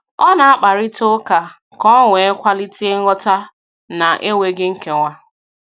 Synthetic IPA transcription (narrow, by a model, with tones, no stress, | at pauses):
ɔ˦na˨a˦k͡pa˨ɾɪ˦to˦ka˨ | kɔ˦ŋʷe˨e˦kʷa˦li˦ti˦e˦ŋ̩˦ŋɔ˦ta˦ | na˨ʔe˦we˦ɡɪ˦ŋ̩˦ke˨ŋʷa˦